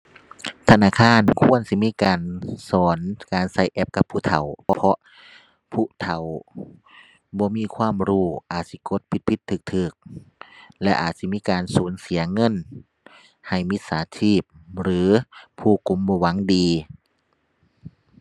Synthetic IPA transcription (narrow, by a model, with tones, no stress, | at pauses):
t̪ʰa˧naː˧˥˩kʰaː˧˥˨nkʰu˧˥˨ənsi˧˦miː˧˥˨kaː˨nsɔː˨˦nkaː˨˩nsa˧˩jʔɛ˧˦p̚ka˧pʰːuː˧˩˨t̪ʰa˨˩wpʰpʰɔ˧˥ | pʰuː˧˨t̪ʰa˨˩w | bɔː˧˦miː˧˥˨kʰwaː˧˥˨mɾuː˧˩ʔaː˨˩t̪̚si˧˦ko˧˦t̪̚pʰi˧˦t̪̚pʰi˧t̪ʰːɯː˧˩k̚t̪ʰɯː˧˩k̚ | lɛ˧ʔa̰ː˨˩t̪̚si˧˦miː˧˥˨kaː˨nsuː˨˦nsi˨˩˦ɐŋɤ˧˥˨n | ha˨˩jmi˧t̪̚saː˨˦tʰiː˧˩p̚ɾɯː˨˦pʰuː˧˩ku˨˧˦mbɔː˧˩wa˨˦ŋdiː˨